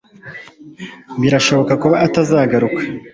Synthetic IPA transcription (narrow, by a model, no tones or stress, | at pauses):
biɾaʃo̞βo̞kakuβaːtazaːɡaɾukḁ